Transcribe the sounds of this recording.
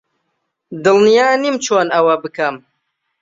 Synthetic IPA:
d̪ɨlnijaːnimt͡ʃʰoːnɐwɐbɨkʰɐm

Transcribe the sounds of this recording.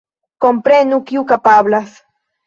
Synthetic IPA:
kompɾenukjukapaβlas

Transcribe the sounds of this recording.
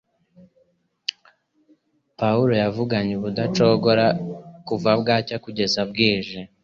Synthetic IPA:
pauɾo̞javuɡaɲeβudat͡ʃo̞ɡo̞ɾakuvabɡaːcakuɟe̞zab̚ɡiːʒe

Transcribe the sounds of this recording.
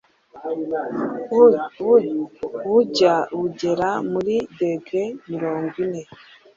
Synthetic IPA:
βuɟaβuɟe̞ɾamuɾideɡemiɾo̞ːŋɡwine̞

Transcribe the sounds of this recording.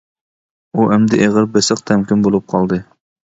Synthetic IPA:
uʔɛmd̪ɪʔeʁəɾbɪsɨq̚t̪ʰɛmkʲinbolˠup̚qʰɑlˠd̪ɨ

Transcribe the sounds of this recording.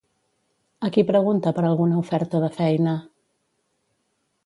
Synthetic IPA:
əkipɾəɣ̞unt̪əpəɾalˠɣunəufɛɾt̪əðəfɛjnə

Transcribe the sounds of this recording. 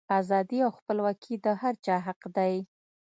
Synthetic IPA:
azɑd̪iawxpəlwɑkʰid̪əhaɾt͡ʃɑɦaqd̪aj

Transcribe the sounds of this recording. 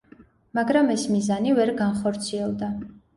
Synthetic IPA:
maɡɾamɛsmizanivɛɾɡanχɔɾt̪sʰiɛlˠd̪a

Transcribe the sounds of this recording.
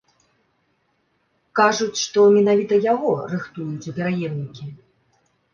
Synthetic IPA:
kaʐut͡sʲʂt̪ɔmʲinavʲit̪ɐjaɣɔrɨxt̪ujut͡sʲupʲɛɾajɛmnʲikʲi

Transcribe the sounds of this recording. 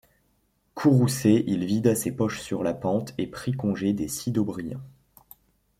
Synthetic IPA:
kʰuʁuseʔilvid̪asepɔʃsyʁlapɑ̃t̪epχikɔ̃ʒed̪esid̪obʁijɛ̰̃

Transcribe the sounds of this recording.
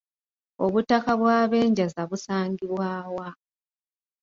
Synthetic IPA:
oβutːakaβwaːβe̞ːɲɟazaβusaːŋɡiβwaːwa

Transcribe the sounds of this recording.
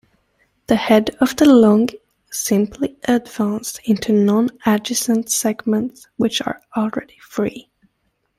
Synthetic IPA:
ðɨhɛdʌvðəlɔ̃ŋɡ | sɪ̃mpʰliʔɨdvæ̃nsɪ̃ntʰʉnɑ̃næd͡ʒɨsə̃ntsɛɡmə̃nts | wɨt͡ʃə̰˞ɔl̩ˠɹɛɾifɹḭ

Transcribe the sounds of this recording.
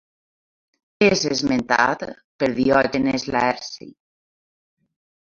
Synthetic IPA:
ezezment̪a̰t̪ | peɾðiɔd͡ʒenezlaɛɾsḭ

